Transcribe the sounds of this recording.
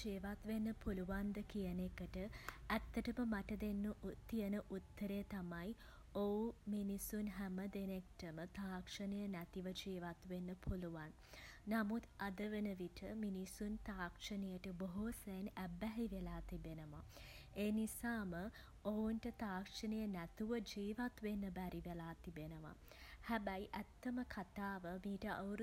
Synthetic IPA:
d͡ʒiːʋat̪ʋenːəpuluʋand̪əkijənekəʈəæt̪ːəʈəməmaʈəd̪enːət̪ːijənəʔut̪ːəɾet̪amaj | ouminisunɦæməd̪enek̚ʈəmət̪aːkʂənejənæt̪iʋəd͡ʒiːʋat̪ʋenːəpʰuluʋanː | amut̪ad̪əʋənəʋiʈʰəminisunt̪aːkʂənejəʈəboɦusejnæbæɦiʋelaːt̪ibenəʋaeːnisaːmə | ounʈət̪aːkʂənejənæt̪uʋəd͡ʒiːʋat̪ʋenːəbæɾiʋelaːt̪ibenəʋa̰hæbæjʔæt̪ːəməkʰat̪aːʋəmiːʈəʔawɾ

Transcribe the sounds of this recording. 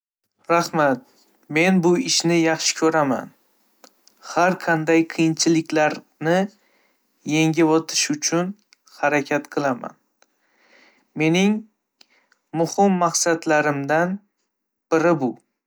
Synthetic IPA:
ɾahmat̪̚ | me̞nbʊɪʃnɪjɑχʃɪ̥kʲʰɵɾama̰n | haɾqʰɑnd̪ajqʰɨjɪnt͡ʃʰɪlɪkʲlaɾ | nɪ | je̞ŋʲɪvɒt̪ʰɪ̥ʃʊt͡ʃʰʊn | haɾakʲʰat̪qʰɨlˠama̰n | me̞nɪŋ | mʊhɪmːaqsad̪laɾɪmd̪an | b̥ɪɾɪbʊ

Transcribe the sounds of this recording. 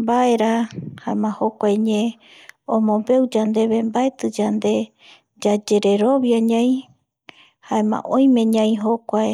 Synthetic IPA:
mbae̞ɾahaemãhokʷaeɲẽõmõmbe̞wd͡ʒand̪e̞βembaet̪ɨd͡ʒand̪e̞ | d͡ʒad͡ʒe̞ɾeɾoβjaɲãj̃ | haemã̰ʔõj̃mẽ̞ɲãĩɦokʷae

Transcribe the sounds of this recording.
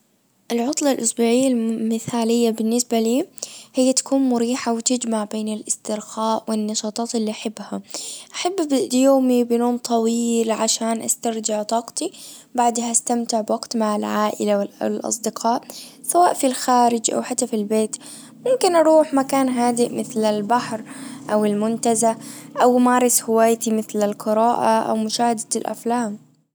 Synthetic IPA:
ʔɪlʕʊt̪ˤlɑlʔʊsbuːʕɪjːalmɪθaːlɪjːabɪnːɪsbaliːhɪjːat̪ḁkuːnmʊɾiːħawɪt̪ɪd͡ʒmaʕbeːnɪlʔɪst̪ɪɾxaːʔwɪnːɑʃɑːt̪ˤɑːt̪ɪlːiʔaħɪbːhaʔaħabːbɪʔd̪joːmibɪnoːmt̪ˤʰɑwiːlʕaʃaːnʔa̰st̪aɾˤd͡ʒɪʕt̪ˤɑːqt̪i | baʕd̪haʔast̪amt̪ɪʕbwaɡt̪maʕalʕaːʔɪ̰lawɪllʔɑ̰sˤd̪ɪqʰɑːʔ | sawaːʔfilxaːɾɪd͡ʒʔa̰wħat̪ːafilbeːt̪ | mʊmkɪnʔɑɾˤuːħmakaːnɦaːd̪ɪʔmɪθlalbaħɾʔawɪlmʊnt̪azaʔawmaːɾˤɪshɪwaːjt̪imɪθlalqɨɾaːʔa̰ʔa̰wmʊʃaːhad̪alʔa̰flaːm

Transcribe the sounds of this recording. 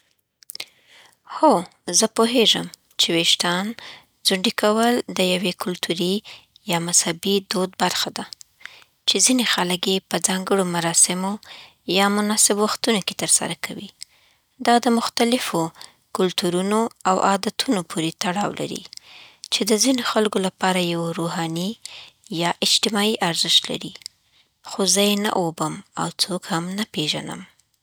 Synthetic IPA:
ho | zəpoɦeʒəm | t͡ʃeweʃt̪ɑn | zʊɳɖikawəld̪əjawekʊlt̪ʰuɾi | jɑmashabid̪od̪baɾxad̪a | t͡ʃezinexaləkjepəd͡zɑŋɡəɽomaɾɑsɪmo | jɑmʊnɑsɪbwaxt̪unoke̥t̪əɾsa̰ɾakʰawḭ | d̪ɑd̪əmʊxt̪alɪfo | kʊlt̪uɾunoawʔɑd̪at̪ʰunopʰuɾet̪aɽɑwlʔa̰ɾḭt͡ʃed̪əzinoxalkolapɑɾajawɾoɦɑnijɑʔɪd͡ʒt̪ɪmɑiʔaɾzɪʃt̪la̰ɾi | xozəjena̰ʔobəma̰wt͡sokhamnapeʒa̰nə̰m

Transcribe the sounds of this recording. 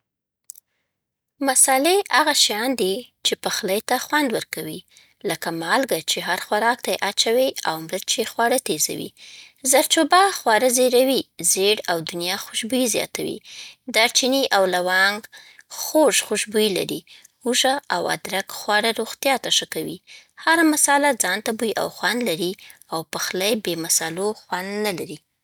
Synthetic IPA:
masɑleaɣaʃjɑnd̪it͡ʃepaxlajt̪axwand̪wəɾkawi | ləkamɑlɡat͡ʃeɦaɾxwaɾɑk̚t̪ajeʔat͡ʃawiawmɾəɾt͡ʃexwɑɽat̪eza̰wḭ | zaɾt͡ʃobaxwɑɾazeɾawizeɽawd̪ʊnjɑxʊʃbujizjɑ̰t̪awḭd̪aɾt͡ʃiniʔawlawɑŋɡxoʒxʊʃbujila̰ɾi | huʒaawa̰d̪ɾakxwɑɽaɾoɣt̪jɑt̪aʃəkawḭhaɾamasɑlad͡zɑnt̪abujʔa̰wxwand̪laɾi | awpəxlajbemasaloxwand̪nalaɾi

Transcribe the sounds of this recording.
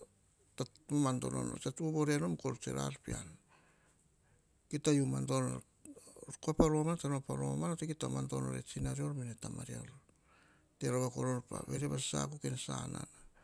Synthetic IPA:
taamanto̞̰no̰no̰t͡ʃatuoboɾeanomko̞ɾt͡ʃe̞̰ɾa̰ɾpian | kitajumantono | koapaɾomantanopaɾomanotekitamanto̞no̰ɾḛt͡ʃinaɾio̞ɾminetamaɾio̞ɾ | te̞ɾaβako̞ɾoɾpa̰βe̞ɾeβasa̰kukensana̰na

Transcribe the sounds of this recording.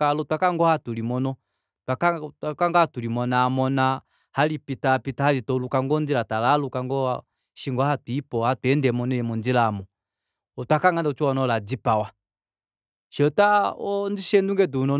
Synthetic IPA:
alɔtwakaŋɡɔhatulimɔnɔ | twakatakaŋɡaatulimɔnamɔna | halipitapitahalitɔlukaŋɡɔnd͡ʒilatalalukaŋɡɔ | ʃiŋɡɔhatwipɔhatwɛndɛmɔnɔjɛmɔnd͡ʒilaːmɔ | ɔtwakaŋɡandt͡ʃuɔnɔlad͡ʒipawa | ʃɛɔtaɔnd͡ʒiʃɛnduŋɡɛdunɔ

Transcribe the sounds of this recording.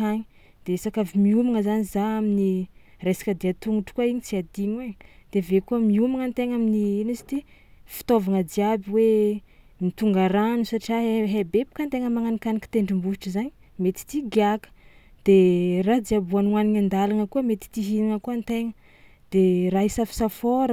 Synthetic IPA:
aɲi | d̪̥esakavimiumaŋəzanizaamini | resḁkəd̪iat̪uŋuʈ͡ʂkuaiɲit͡siad̪iɲwed̪̥evekumiumaŋant̪eŋaminiinisi̥t̪ifi̥t̪ovaŋəd͡ziabiwe | mit̪uŋɡaɾanusaʈ͡ʂiaɦebepi̥kant̪eŋəmaŋanikaniki̥t̪eɳɖ͡ʐimbusiʈ͡ʂəzaɲi̥ | met̪i̥t̪iɡiakə̥d̪̥erad͡z̪iabuanuaniɲand̪alaŋəkuəmet̪i̥t̪iɦiniŋəkuant̪eŋə | d̪̥eraɦisafi̥safoɾ

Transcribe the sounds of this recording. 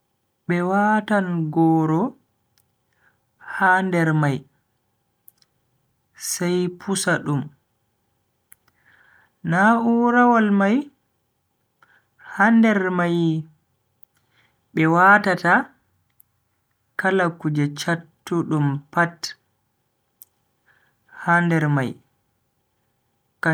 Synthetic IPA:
ɓɛwatanɡɔːɾɔ | handɛɾmaj | sajpʰusaɗum | nauɾawalmaj | handɛɾmaj | ɓɛwatata | kalakud͡ʒɛt͡ʃatːuɗumpat | handɛɾma̰j | ka

